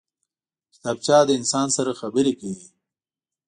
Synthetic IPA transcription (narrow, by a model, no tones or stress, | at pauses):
t̪ab̚t͡ʃɑːd̪əɪnsɑːnsaɾaxabəɾekawi